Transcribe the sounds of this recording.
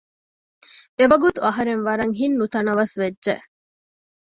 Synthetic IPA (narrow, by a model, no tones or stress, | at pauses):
eʋɐɡut̪uɐɦɐɾenʋɐɾɐŋɦinːut̪ɐnɐʋɐsʋedːʒeʔ